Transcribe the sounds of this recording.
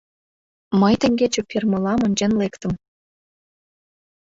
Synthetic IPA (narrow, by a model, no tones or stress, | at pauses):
məjt̪ɘ̆ŋʲɡʲet͡ɕɘ̆pʲʰermɤ̆lɑmɤ̆nʲd͡ʑenlekt̪ə̆m